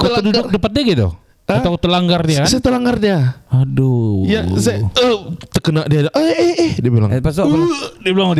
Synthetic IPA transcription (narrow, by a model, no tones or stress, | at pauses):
kolədudʊk̚dəpat̪̚diaɡit̪ṵ | əat̪akt̪əlaŋɡardiakaansajat̪əlaŋɡardiaadojasajəht̪əkənaʔdiadaʔəeɛdiabila̰ŋpasoʔdiabilaŋod